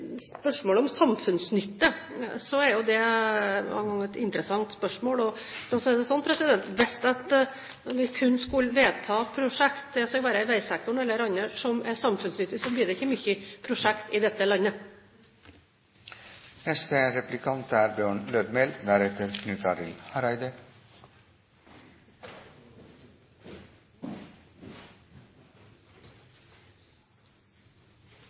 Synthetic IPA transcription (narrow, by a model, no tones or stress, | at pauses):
spœʂmoːlɔmsɑmfʉnsnʏt̪ːəsɔɛɾjʊd̪ɛmɑ̰ɡɑŋːɛt̪ɪnt̪ɾəsɑŋt̪spœʂmoːlɔɑsɛd̪ɛsɔnːpʰɾɛsɪd̪ɛnt̪ʋɛst̪ɑt̪ | ʋɪkʰʉnskʉlʋeːt̪ʰɑːpʰɾʊʂɛkt̪̚d̪ɛskɑlʋæːɾəɪʋæɪsɛk̚t̪ʊɳɛlːəɾɑnːəʂɔmɛsɑmfʉnsnʏt̪ːəsɔblyːd̪ɛɪçːəmʏçːəpʰɾʊʂɛkt̪iːd̪ɛt̪ːəlɑnːə | nɛst̪əɾɛplɪkʰɑnt̪æːɾbjøːɳløːd̪mɛld̪æɾɛt̪əɾkʰnʉːt̪ʰɑɾɪhɑɾæɪd̪ə